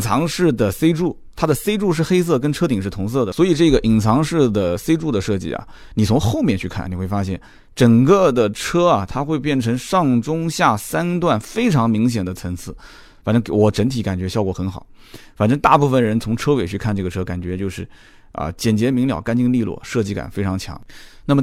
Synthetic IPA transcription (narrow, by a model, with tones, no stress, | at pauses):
t͡sʰɑ˧˥ŋʂɻ̩˥˩d̪ə˩se˥ɪʈ͡ʂu˥˩ | t̪ʰa˥d̪ə˨˩se˥ɪʈ͡ʂu˥˧ʂɻ̩˥˩xe˥ɪs̬ɤ˥˩kə˥nʈ͡ʂʰɤ˥t̪i˨˩ŋʂɻ̩˥˩t̪ʰʊ˧˥ŋs̬ɤ˥˩d̪ə˩swɔ˧˥i˨˩ʈ͡ʂɤ˥˩ɡə˩ʔi˨˩ŋt͡sʰɑ˧˥ŋʂɻ̩˥˩d̪ə˩se˥ɪʈ͡ʂu˥˩d̪ə˩ʂɤ˥˧t͡ɕḭ˥˩ɐ̰˩ | ni˨˩t͡sʰʊ˧˥ŋxo˥˩˧ʊmjɛ˥˧nt͡ɕʰy˥˧kʰa̰˥˩ni˨˩xwe˥˩fa˥ɕjɛ˥˩n | ʈ͡ʂɤ˨˩ŋkə˥˧d̪ə˩ʈ͡ʂʰɤ˥ɐ˨t̪ʰa˥xwe˥˧ɪp̬jɛ˥˩nʈ͡ʂʰɤ˧˥ŋʂɑ˥˩ŋʈ͡ʂʊ˥ŋɕja˥˩sa˥nt̪wa˥˩nfe˥ɪʈ͡ʂʰɑ˧˥ŋmi˧˥ŋɕjɛ˨˩nd̪ə˦t͡sʰə˧˥nt͡sʰɹ̩˥˩ | fa˨˩nʈ͡ʂɤ˥ŋ˥wɔ˨˩ʈ͡ʂə˧˥nt̪ʰi˧˥ka˨˩nt͡ɕɥɛ˧˥ɕjɑ˥˧ʊkwɔ˨˩xə˧˥nxɑ˨˩˦ | fa˨˩nʈ͡ʂɤ˥ŋt̪a˥˧pu˥˩fə˨˩nɻə˧˥nt͡sʰʊ˧˥ŋʈ͡ʂʰɤ˥we˨˩ɪt͡ɕʰy˥˧kʰa˥˧nʈ͡ʂɤ˥˩ɡə˩ʈ͡ʂʰɤ˥ka˨˩nt͡ɕɥɛ˧˥t͡ɕjo˥˧ʊʂɻ̩˥˩ | ə̰˧t͡ɕjɛ˨˩nt͡ɕjɛ˧˥mi˧˥ŋljɑ̰˨˩ʊka˥nt͡ɕi˥˧ŋli˥˧lwɔ̰˥˩ʂɤ˥˧t͡ɕi˥˩ka̰˨˩nfe˥ɪʈ͡ʂʰɑ˧˥ŋt͡ɕʰjɑ̰˧˥ŋna˥˩mə˩